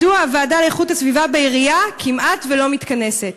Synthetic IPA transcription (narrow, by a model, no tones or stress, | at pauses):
uavaːdaleeχutasvivabeiʁiakʰimʔat̪velo̞mit̪kane̞se̞t